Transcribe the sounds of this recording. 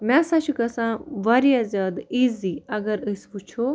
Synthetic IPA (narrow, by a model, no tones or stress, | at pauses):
mɛ̃sɐt͡ʃʰukɐsãːʋɐɾijazʲjaːd̪iːziɐɡɐɾɨsput͡ʃʰo